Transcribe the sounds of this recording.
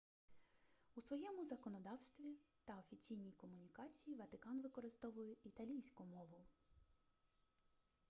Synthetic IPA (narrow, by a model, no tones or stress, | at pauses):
usʋɔjɛmʊzɐkɔnɔd̪ɑwst̪ʋʲit̪ɐɔfʲit͡sʲijnʲijkɔmʊnʲikɑt͡sʲijiʋɐt̪ɪkɑnʋɪkɔɾɪst̪ɔʋʊjʊit̪ɐlʲijsʲkʊmɔʋʊ